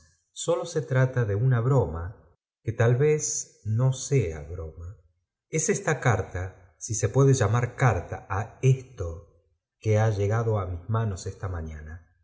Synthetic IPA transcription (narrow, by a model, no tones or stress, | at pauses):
so̞lo̞se̞t̪ɾat̪aðe̞unaβɾo̞ma | ket̪alβes | no̞sea̰βɾo̞ma | esest̪akaɾt̪a | sise̞pwe̞ðe̞ʒamaɾkaɾt̪aaest̪o | keaʒeɣað̞o̞amizmano̞sest̪amaɲana